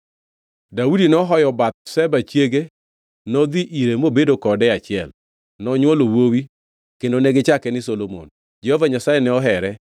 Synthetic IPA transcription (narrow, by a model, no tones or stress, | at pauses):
daudinɔɦɔjɔbat̪̚sɛbat͡ʃjeɡe | nɔd̪iʔiɾemobedokɔdɛat͡ʃɪɛl | nɔɲwɔlowowi | kendonɛɡɪt͡ʃakɛnɪsolomo̰n | d͡ʒɛhovaɲasajɛnɛɔɦɛɾɛ